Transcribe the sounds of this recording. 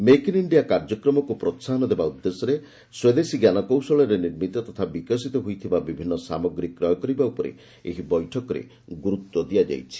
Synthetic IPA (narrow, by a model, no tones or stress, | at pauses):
mekiniɳɖijakaɾd͡ʒɔkɾɔmɔkupɾɔtːsaɦnɔd̪ebaud̪ːesɔɾe | swed̪esiɡjanɔkɔwsɔɭɔɾeniɾmit̪ɔt̪ɔt̪ʰabikɔsit̪ɔɦojt̪ʰibabibʱinːɔsamɔɡɾikːɾɔjɔkɔɾibaupɔɾḛ | eɦibɔjʈʰɔkɔɾḛ | ɡuɾut̪ːwɔd̪ijad͡ʒa̰jt͡ʃʰi̥